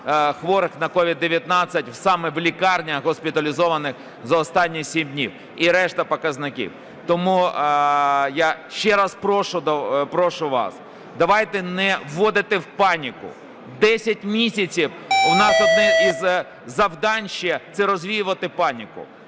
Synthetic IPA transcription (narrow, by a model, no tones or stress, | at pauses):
xʋɔɾɪxnɐkɔʋʲid̪ːeʋʲjɐt̪nɑt͡sʲːɐtʲwsɑmɛʋlʲikɑrnʲɐɦɔspʲɪt̪ɐlʲizɔʋɐnɪx | zɐɔst̪ɑnʲːisʲimdʲnʲiw | iɾɛʃt̪ɐpɔkɐznɪkʲḭw | t̪ɔmu | jaʃt͡ʃɛɾɑspɾɔʃʊd̪ɔpɾɔʃʊʋɑ̰s | d̪ɐʋɑjt̪ɛnɛwːɔd̪ɪt̪ɪwpɑnʲikʊ̰ | d̪ɛsʲɐtʲmʲisʲɐt͡sʲiw | ʊnɑsɔd̪nɛiz | zɐwd̪ɑnʲʃit̪sɛɾɔzʲʋʲijʊʋɐt̪ɪpɑnʲikʊ̰